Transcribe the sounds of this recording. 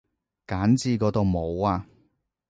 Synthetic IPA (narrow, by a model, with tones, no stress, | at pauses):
kaː˨˥nt͡siː˧kɔː˨˧˥t̪o˨˧wmo˨˧waː˧